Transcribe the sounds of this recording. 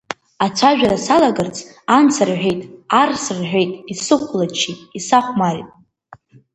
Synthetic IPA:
at͡sʷʰaʒᶣaɾasalaɡɨrt͡sʼʰ | ant͡sʰarħʷᶣe̞jtʼarsrħᶣejtʼisɨχʷʰlat͡ʃʰitʼisaχʷmartʼ

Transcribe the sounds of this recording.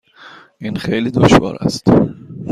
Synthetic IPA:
ʔiːnxe̞jliːd̪oʃvɒ̰ːɾæ̰st̪

